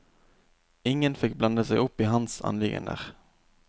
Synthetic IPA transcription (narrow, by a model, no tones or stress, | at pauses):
ɪŋːənfɪk̚ːbland̪əsɛɪʔɵpːɪɦansɑ̰nlɪɡə̰nə̰ʁ